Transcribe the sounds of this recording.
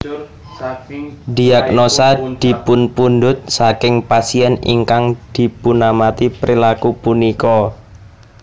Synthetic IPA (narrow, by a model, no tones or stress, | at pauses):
di̤ak̚nosad̪̥i̤pʊnpund̪ʊt̪̚sakɪŋpasiɛnḭŋkaŋd̪̥i̤punamat̪ipɾilakupunikɔ